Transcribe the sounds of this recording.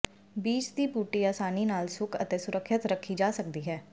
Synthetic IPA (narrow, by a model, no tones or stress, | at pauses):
biːt͡ʃd̪iːpuːʈiːaːsaːniːnaːlsʊkʰə̰t̪eːsʊɾəkʰːʃɪt̪ɾəkʰːiːd͡ʒaːsək̚d̪iːɦɛː